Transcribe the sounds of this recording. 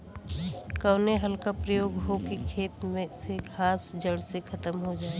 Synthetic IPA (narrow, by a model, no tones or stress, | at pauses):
kəwneɦɐlkapɾəjoːɡɦokekʰeːt̪mẽseɡʱaːsd͡ʒəɽsekʰɐt̪əmɦod͡ʒaːe